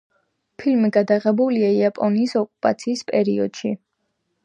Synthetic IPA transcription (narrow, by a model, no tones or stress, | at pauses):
pʰilmiɡad̪aʁɛbuliaiapʼɔniːsɔkʼupʼa̰t̪sʰiːspʼɛɾiɔd̪̥ʃi